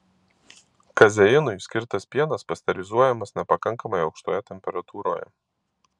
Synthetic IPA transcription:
kɐzʲɛjɪnʊjsʲkʲɪɾt̪ɐsʲpʲiɛnɐspɐsʲt̪ʲɛɾʲɪzuɔjɛmɐsnʲɛpɐkɐŋkɐmɐjɐʊkʃt̪ojɛt̪ʲɛmʲpʲɛɾɐt̪uːɾo̰ːjɛ̰

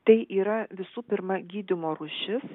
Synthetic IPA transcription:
t̪ɐɪʔiːɾɐʋʲɪsuːpʲɪɾmɐɡʲiːd̪ʲɪmoːɾuːʃʲɪs

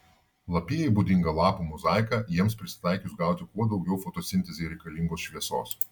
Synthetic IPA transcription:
lˠɐpʲiːjɛɪbuːd̪ʲɪŋɡɐlˠɑːpumʊzɑˑɪkɑːjiɛmspʲɾʲɪsʲɪ̥t̪ɑˑɪkʲʊsɡɑˑʊt̪ʲɪkuɔd̪ɒʊɡʲɛʊfoːt̪oːsʲɪnʲt̪ʲɛzʲeɾʲɛɪkɐlʲiŋɡoːsʃʲʋʲiɛso̰ːs

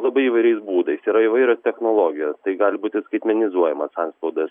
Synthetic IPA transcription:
lˠɐbɐɪiʋɐɪɾʲɛɪsbuːd̪ɐɪsiːɾɐɪʋɐɪɾʲoːst̪ʲɛxnoːlˠoːɡʲɪjost̪ɐɪɡɑːlʲɪbuːt̪ʲɪskɐɪt̪ʲmʲɛnʲɪzuɔjɛmɐsɐnspɐʊd̪ɐs

